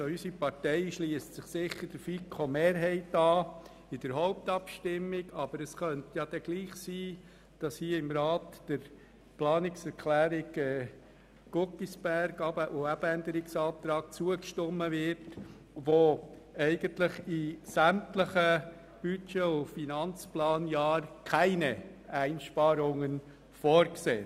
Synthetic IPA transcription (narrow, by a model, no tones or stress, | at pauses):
oysipɑɾtɛɪʃliːəst͡sɪχsɪχːəɾd̥əɾfikʰomeːɾɦɛɪtɑː | ɪd̥əɾɦoʊp̚t̪ɑpʃtɪmːɪɡɑb̥əɾəsχœntjɑd̥ɛɡ̥liːχsiː | d̥ɑshiːəɪmɾɑːt̪d̥əɾ | plɑːnɪksɛɾkʰlæːɾɪɡɛ | ɡ̥ʊkːisb̥æɾɡɑbəʔoæbænd̪əɾɪksɑːt̪ɾɑːk̚t͡suəkʃtɔmːəvɪɾt | ʋo | æɪɡ̥əntlɪχisæmtləχə | b̥yt͡ʃeʊfinɑnt͡splɑːnjɑːɾkʰæɪnɛæɪnʃpɑːɾʊŋən | fɔːɾkseː